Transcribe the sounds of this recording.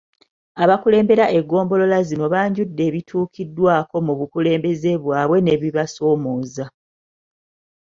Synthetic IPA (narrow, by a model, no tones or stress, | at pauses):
aβakule̞ːmbe̞ɾaʔe̞ɡːo̞ːmbo̞lo̞lazino̞βaːɲɟudːe̞ːβitʰuːkʰidːwaːko̞muβukule̞ːmbe̞ze̞βwaːβwe̞ne̞βiβaso̞ːmo̞ːza